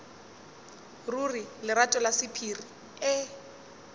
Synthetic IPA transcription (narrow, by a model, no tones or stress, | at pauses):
rurilɪɾatʼɔlasɪpʰiri | ɛ